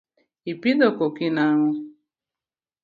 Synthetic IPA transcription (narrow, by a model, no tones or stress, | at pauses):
ipidokokinaŋʊ